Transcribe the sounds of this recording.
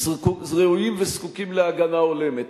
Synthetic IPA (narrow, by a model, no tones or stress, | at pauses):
kuzʁeujimveskukimleaɡanao̞le̞me̞t̪